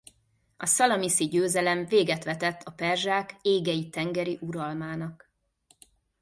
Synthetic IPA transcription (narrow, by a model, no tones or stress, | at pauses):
ɒsɒlɒmisiɟøːzɛlɛɱveːɡɛt̪ʋɛt̪ɛt̪ʰːɒpɛrʒaːkeːɡɛjit̪ɛŋɡɛɾiʔuɾɒlmaːnɒk